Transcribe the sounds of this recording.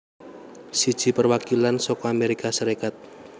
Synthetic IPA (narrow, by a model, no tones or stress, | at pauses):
sid̥ʒ̥i̤pərwakilansɔkɔameɾikasəɾekat̪̚